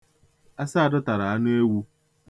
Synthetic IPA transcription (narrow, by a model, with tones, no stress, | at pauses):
a˦sa˦a˨dʊ˦ta˨ɾa˨a˦ne˦wu˦